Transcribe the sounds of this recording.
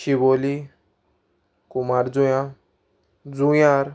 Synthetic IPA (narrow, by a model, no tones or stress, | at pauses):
ʃiboːli | kumaɾd͡zujã | d͡zujãːɾ